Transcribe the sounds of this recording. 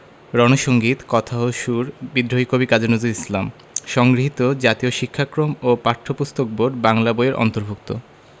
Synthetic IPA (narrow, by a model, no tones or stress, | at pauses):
ɾɔnoʃoŋɡit̪kɔt̪ʰaɦoʃuɾbid̪ɾoikobikad͡ʑonod͡ʑuɾislam | ʃɔŋɡɾiɦit̪od͡ʑat̪ioʃikʰːakɾomopaɾʈ̪ʰːopust̪ok̚boɖbaŋlaboeɾʔɔ̰nt̪oɾbʱuk̚t̪o̰